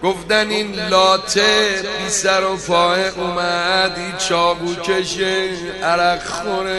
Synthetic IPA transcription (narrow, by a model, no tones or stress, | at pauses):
ɡ̥ofd̪æniːnlɒːt̪ʰepisæɾopʰɒːeʔumæd̪it͡ʃʰɒːbuːkʲʰeʃe | æɾæɡxone